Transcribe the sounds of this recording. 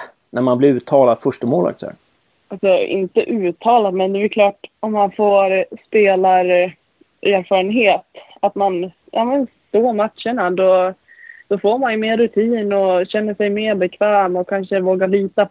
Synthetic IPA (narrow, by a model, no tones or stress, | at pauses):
næɾmanblɪɾʉːt̪ʰɑːlad̪fœʂʈəmoːla̰k̚t̪sɛ̰ | alsɔɪ̰nt̪əʔʉ̟ːt̪ʰːɑːlad̪mɛnd̪ɛbɛɾkʰlɑːʈɔmːanfoːɾspeːlaɾ | ʔæːɾfɑːɾənɦeːt̪ | at̪man | jʔa̰ːmənst̪oːɾmat̪ʂəɳad̪ɔ | d̪̥ɔfoːɾmanjɵmeːɾːɵt̪ʰiːnɔɕɛnːəʂɛjmeːɾbɛkʰvɛːmɔkʰanʂəvoːɡaɾɭiːt̪a